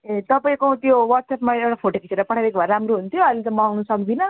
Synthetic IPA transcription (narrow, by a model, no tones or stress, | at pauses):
t̪ʌpaĩkot̪jowʌʈsepmaewʈapʰoʈokit͡seɾapʌʈʰabekobʱʌɾɾamɾoɦunt̪ʰjoʌlet͡sʌ̃mawnusʌkd̪inʌ